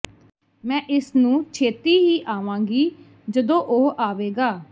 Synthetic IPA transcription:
mɛ̃ːʔɪsnũːt͡ʃʰeːt̪iːɦiːʔaːʋãːɡiː | d͡ʒəd̪õːʔʊɦaːʋeːɡaː

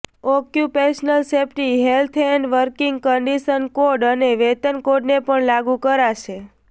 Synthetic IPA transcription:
okjupeʃnəlsepʈiɦelt̪ʰeɳɖʋəɾkiŋɡkəɳɖiʃənkoɾɖəneʋɛt̪ənkoɾɖnepəɳlaɡũkəɾaʃe

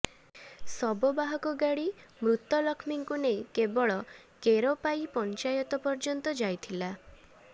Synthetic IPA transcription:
sɔbɔbaɦɔkɔɡaɽimɾut̪ːɔlɔkʰmiŋkunejkebɔɭɔ | keɾɔpajpɔnt͡ʃajɔt̪ɔpɔɾd͡ʒɔnt̪ɔd͡ʒajt̪ʰila

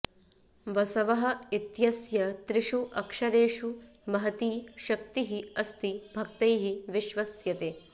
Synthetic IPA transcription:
ʋɐsɐʋɐɦɐ̆it̪jɐsjɐt̪ɾiʃuʔɐkʂɐɾeːʃumɐɦɐt̪iːʃɐk̚t̪iɦiɐst̪ibʱɐkt̪ɐjɦiʋiʃʋɐsjɐt̪eː

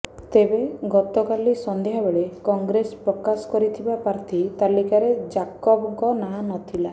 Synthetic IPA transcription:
t̪ebeɡɔt̪ɔkalisɔnd̪ejɦabeɭekɔŋɡɾespɾɔkasɔ̥kɔɾit̪ʰibapaɾt̪ʰit̪alikaɾed͡ʒakɔbɔŋkɔnaɦnɔt̪ʰila

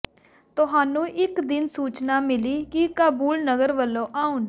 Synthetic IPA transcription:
t̪ʊɦaːnũːʔɪkd̪ɪnsuːt͡ʃnaːmɪliːkɪkaːbuːlnəɡəɾʋəlːõːʔaːʊn

